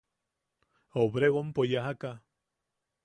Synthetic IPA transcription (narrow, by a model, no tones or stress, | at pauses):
oβɾeɣompojaɦaka